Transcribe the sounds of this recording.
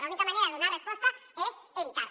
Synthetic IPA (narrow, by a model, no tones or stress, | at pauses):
aunikamãneɾaðeðonaɾekspost̪aeseβit̪a